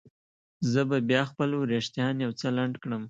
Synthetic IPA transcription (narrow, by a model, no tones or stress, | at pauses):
zəbabjɑxpəlɾeʂt̪jɑnjawt͡səlaɳɖkɽəm